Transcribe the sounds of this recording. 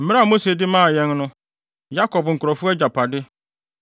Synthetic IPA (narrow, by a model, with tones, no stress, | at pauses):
m̩˦m̃˦a˦˨mo˦se˨dɪ˦mãː˦˨jɛ̃˦nnʊ̃˦ | ja˦kʰɔ˨bŋ̩˨kʰʊ˨ɾɔ˨fʊ˦ɛ˦d͡ʑa˨pʰa˨dɪ˦